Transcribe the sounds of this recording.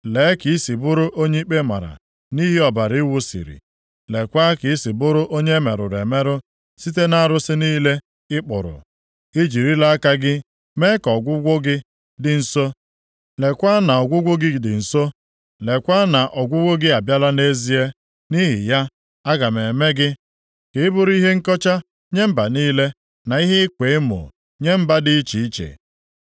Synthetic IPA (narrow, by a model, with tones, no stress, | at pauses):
leː˨˦ki˨i˦si˨bʊ˦ɾʊ˦ʔo˦ɲe˦i˦k͡pe˦ma̰˨ɾa̰˨ | ni˦ɦi˦ɔ˨ba˨ɾi˦wʊ˦sḭ˨ɾḭ˨ | le˨kʷa˦kɪ˨i˦si˨bʊ˦ɾʊ˦ʔo˦ɲe˦me˨ɾʊ̰˨ɾe˨me˦ɾʊ˦ | si˦t̬e˦na˦˨ɾʊ˦sɪ˦niː˦le˦ | ɪ˦k͡pʊ̰˨ɾʊ̰˨ | i˦d͡ʒi˨ɾi˦la˦a˦ka˦ɡɪ˦ | me˦kɔ˨ɡʷʊ˦ɡʷʊ˦ɡɪ˦ | dɪ˨n̩˨so˦ | le˨kʷa˦na˨ɔ˨ɡʷʊ˦ɡʷʊ˦ɡɪ˦dɪ˨n̩˨so˦ | le˨kʷa˦na˨ʔɔ˨ɡʷʊ˦ɡʷʊ˦ɡɪ˦a˨bja˦la˦ne˦zi˦e˦ | ni˦ɦɪ̰˨ja˦ | a˦ɡa˨me˨me˦ɡɪ˦ | kɪ˨ɪ˦bʊ˦ɾʊ˦i˦ɦe˦ŋ̩˦kɔ˦t͡ʃa˦ | ɲe˦m̩˦ba˨niː˦le˦ | na˨i˦ɦe˦ɪ˦kʷe˨ɪ˦mʊ̰˨ | ɲe˦m̩˦ba˦dɪ˦t͡ʃi˨i˦t͡ʃḛ˨